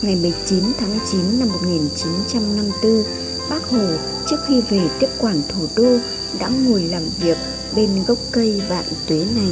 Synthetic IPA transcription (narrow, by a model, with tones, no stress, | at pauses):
ŋa˨˩jmə˨˩jt͡ɕi˨˦nt̪ʰaː˨˦m˧˨˩jt͡ɕi˨˦nːa˧mːo˨˩t̚ŋi˨˩nt͡ɕi˨˦nt͡ɕa˧mna˧mt̪ɨ˧ | ɓaː˦˥k̚ho˨˩ | t͡ɕɨ˦˥ək̚xi˧ve˨˩t̪i˦˥əp̚kwaː˧˩nt̪ʰu˧˩ɗo˧ | ɗa̰ː˧˥ŋu˨˩əjlaː˨˩mvi˨˩ək̚ | ɓe˧nɣə˦˥wk͡p̚kə˧jva̰ː˧˨nt̪we˨˦na˨˩j